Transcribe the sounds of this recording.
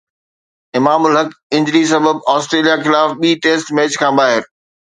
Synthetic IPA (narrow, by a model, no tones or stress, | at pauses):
ɪmaːmʊlɦɐkɪ̃ɲd͡ʑɾis̬ɐbəbaːsʈɾeːlijaxɪlaːfɓiːʈeːsʈmɛːt͡ɕkʰãːbaːɦɪɾ